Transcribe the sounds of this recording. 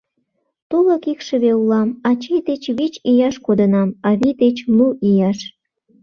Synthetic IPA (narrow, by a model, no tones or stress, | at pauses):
t̪olə̆kikʃəβeulɑmɑt͡ɕejd̪et͡ɕβet͡ɕijɑʃkod̪ənɑmɑβid̪et͡ɕluʔijɑʃ